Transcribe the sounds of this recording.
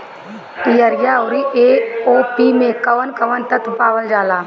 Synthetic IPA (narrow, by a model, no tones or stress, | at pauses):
ijəɾjawɾiʔeoːpimẽkɐʋənkɐʋənt̪ɐt̪paːʋəld͡ʒaːlaː